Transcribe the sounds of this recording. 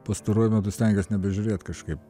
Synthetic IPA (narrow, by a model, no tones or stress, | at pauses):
pɐst̪ɐɾuɔjʊmʲæt̪ʊsʲt̪ʲɛŋʲɡʲɛsnʲɛbʲɛʒʲʊɾʲeːt̪kɐʃkɐɪp